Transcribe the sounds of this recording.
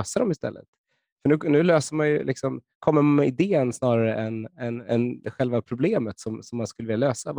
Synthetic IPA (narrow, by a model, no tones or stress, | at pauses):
øsad̪ɔmɪst̪ɛ̰lːə̰t̪ | fœɳʉ̟ːnʉ̟ːløːsəɾmanjɵlɪksɔm | kʰɔmːəɾmɛɪd̪eːənsnɑːɾaɾəʔɛnɛnɛnɧɛlvapʰɾʊbleːmət̪sɔmsɔmːanskɵləvɪljaløːsav